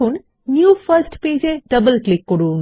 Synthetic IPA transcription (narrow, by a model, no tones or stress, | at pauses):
un | njuːfəɾsʈpeːd͡ʒeɖɐbəlklɪkːɔɽuːŋ